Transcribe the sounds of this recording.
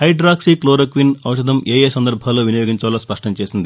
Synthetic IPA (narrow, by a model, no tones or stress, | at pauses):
hɐjɖɾaːksikloːɾɐkʋinɐ̰wʂɐd̪ɐmʔeːjeːsɐnd̪ɐɾbʱaːloːʋinɐjoːɡiɲt͡ʃɐːlospɐʂʈɐmt͡ʃe̞ːsind̪i